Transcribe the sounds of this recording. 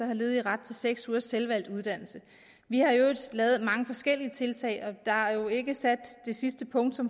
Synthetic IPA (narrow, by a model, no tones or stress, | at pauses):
ɐhɑ̈le̝ːð̩ˠiʁɑ̈d̥̚t͡sʰe̝lseɡ̥suːɐsːelʋæl̰d̥uð̞ˠd̥æn̰l̩sə | ʋihɑ̈jo̝d̥lɛːð̩ˠmɑ̈ŋəfɒ̽sɡ̥el̰iət͡sʰe̝lt͡sʰɛ̰ɪʔɒ̽d̥ɑ̈æɐjo̝e̝ɡ̥əsæd̥ːe̝sisd̥əpʰɔ̽ŋ̰d̥sɒ̽m